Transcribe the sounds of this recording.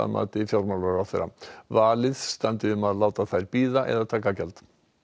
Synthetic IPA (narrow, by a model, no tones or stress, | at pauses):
a̰ma̰t̪ɪfjɔɾmalɔɾafɛ̰ɾa̰vaːlɪðst̪ant̪ɪʏmaðlaːwt̪aθajɾpiːðaʔɛ̰ðat̪ʰaːkakɛlt̪